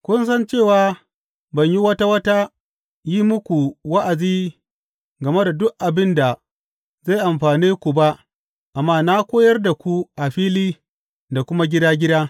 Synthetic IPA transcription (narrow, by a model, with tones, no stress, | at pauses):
kʷʊ˦nsɐ˦nt͡ʃeː˦˨waː˦ | bɐ˨ɲji˦wɐ˦ta˦wɐ˦ta˦ | ji˦mʊ˦kʷu˨wɐ˦ʔa˨d͡ʒiː˦ | ɡɐ˨me˦da˨dʊ˦kʔa˨bɪ˦nda˨ | za˦˨ʔa˨mɸaː˨niː˦kʷu˨ba˦ʔ | ʔa˨mːaː˦na˦kʷoː˦jɐ˦rda˨kʷu˦ʔa˨ɸiː˦liː˦ | da˨kʷʊ˦ma˦ɡʲɪ˦daː˦ɡʲɪ˦daː˦